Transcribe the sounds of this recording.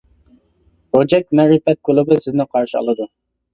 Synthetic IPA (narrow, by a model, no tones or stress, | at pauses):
od͡ʒɛk̚ʲmɛɾɨfɛt̪̚kʰolˠɨbɨsɪznɪqʰɑɾʃiɑ̰lˠɨd̪u